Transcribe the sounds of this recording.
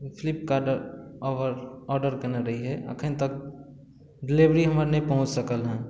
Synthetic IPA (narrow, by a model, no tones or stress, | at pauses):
pʰɪlɪp̚kaɖəɾɔʋəɾɔːɾɖəɾkəneɾɐɦiɦɛʔɐ̰kʰənt̪ək̚ | ɖɪliʋɾiɦɐməɾnɐɦĩpəɦʊ̃t͡ʃsəkəlɦɛ̃ː